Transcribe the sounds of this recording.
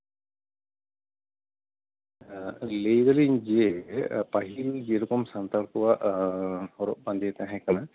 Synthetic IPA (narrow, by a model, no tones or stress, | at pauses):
lejɡaliɲd͡ʒiepaɦild͡ʒieɾɔkɔmsant̪aɾkɔwaʔ | hɔɾɔ̰ʔ̚band̪iɛt̪aɦɛ̃kana